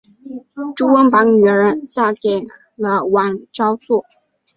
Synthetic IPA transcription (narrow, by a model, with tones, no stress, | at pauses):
ʈ͡ʂu˥wə˥ŋpɑ˧˥ŋny˨˩˧ə˧˥nt͡ɕja˥˩tjɛ˨˩n | lə˧wa˨˩nʈ͡ʂɑ˥ʊt͡swɔ˥˩